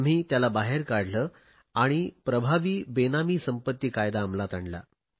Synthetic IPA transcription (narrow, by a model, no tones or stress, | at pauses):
m̤iːt̪jalabaɦeɾkaɽləː | aɽ̃ipɾəbʱaʋiːbenamiːsəmpət̪ːiːkajd̪aːmlat̪aɳla̰